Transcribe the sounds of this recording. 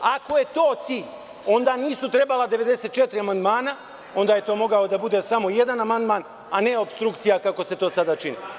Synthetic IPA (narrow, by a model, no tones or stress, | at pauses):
ako̞je̞t̪o̞ːt̪siʎ | o̞nd̪aːniːsut̪ɾe̞balad̪e̞ʋe̞d̪e̞seːt̪̚t͡ʃet̪ɾiamand̪maːna | o̞nd̪aːje̞t̪o̞ːmo̞ɡao̞d̪abud̪e̞samo̞je̞d̪anamand̪maːn | ane̞o̞pst̪ɾukt̪sijakako̞se̞t̪o̞ːsad̪at͡ʃinḭ